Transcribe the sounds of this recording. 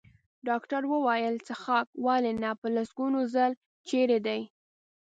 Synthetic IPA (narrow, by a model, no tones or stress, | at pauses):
ɖɑkʈaɾwəwajəlt͡səxɑk̚wɑlenapəlasɡunozal | t͡ʃeɾed̪aj